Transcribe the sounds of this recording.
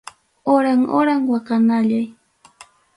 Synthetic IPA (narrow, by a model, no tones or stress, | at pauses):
oɾaŋo̰ɾaŋwakanaʎaj